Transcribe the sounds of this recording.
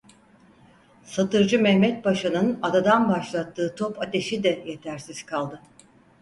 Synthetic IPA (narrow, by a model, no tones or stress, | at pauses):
sat̪ʰɯɾd͡ʒɯmɛhmɛt̪̚baʃanɯnad̪ad̪anbaʃlˠat̪ʰːɯːt̪ʰo̞pʰat̪ʰe̞ʃid̪ɛje̞t̪ʰæɾsiz̥kʰalˠd̪ɯ